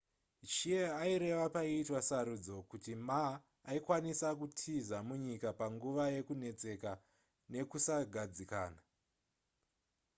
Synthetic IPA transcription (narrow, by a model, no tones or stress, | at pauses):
t͡ʃieaiɾe̞ʋapaiːtwasaɾud͡zo̞kutimaː | ikwanisakutʰizamuɲikapaŋɡuʋaje̞kune̞t͡se̞ka | ne̞kusaɡʱad͡zika̰ːna